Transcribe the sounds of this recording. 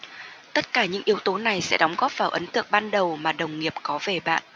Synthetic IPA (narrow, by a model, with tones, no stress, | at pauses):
t̪ə˦˥t̚kaː˧˩ɲɨ̰˧˥ŋʔi˨˦əwt̪o˨˦na˨˩jsɛ̰˧˥ɗɔ˨˦wŋ͡mɣɔ˦˥p̚vaː˧˩wʔə˨˦nt̪ɨ̰˧˩əŋ̚ɓaː˧nɗə˨˩wmaː˨˩ɗə˨˩wŋ͡mŋi˨˩əp̚kɔ˨˦ve˨˩ɓa̰ː˧˨nʔ